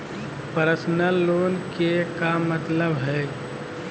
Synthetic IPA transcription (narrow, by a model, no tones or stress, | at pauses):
pəɾəsnəlːoːnkekamət̪ləbɦɛː